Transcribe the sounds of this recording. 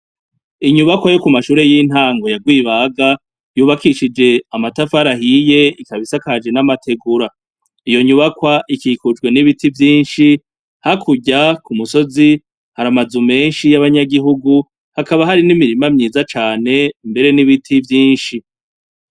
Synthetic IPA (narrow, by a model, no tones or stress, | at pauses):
iɲuβakwajo̞kumaʃuːɾe̞jiːn̥haːŋɡo̞jaɡwiːβaɡa | juːβakiʃid͡ʒe̞amatafaɾaɦije̞ikaβisakad͡ʒe̞namatʰe̞ɡuɾa | ijo̞ɲuβakwaʔikikud͡ʒɡwe̞niβitivjiːnʃi | hakʰuɟakumuso̞zi | haɾamazume̞ːnʃijaβaɲaɡiɦuɡu | hakaβaɦaɾinimiɾimamɲiːzat͡ʃaːne̞mbe̞ɾe̞niβitʰivjiːnʃi